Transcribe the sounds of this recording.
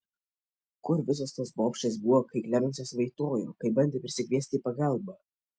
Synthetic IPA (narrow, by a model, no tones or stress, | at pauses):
kʊɾʋʲɪs̬oːst̪ɐsboːpʲʃʲt͡ʃʲesbʊʋɔkɐɪklʲæːmʲɛnʲsʲoːsʋɐɪt̪oːjo̰ːkɐɪbɐnʲd̪ʲeːpʲɾʲɪsʲɪkʲʋʲiɛsʲt̪ʲiːpɐɡɑˑlˠbɐ